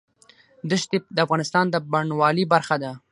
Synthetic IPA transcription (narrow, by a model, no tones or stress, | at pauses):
d̪əʃt̪id̪əafɣɑnɪst̪ɑnd̪əbaɳwɑlibaɾxad̪a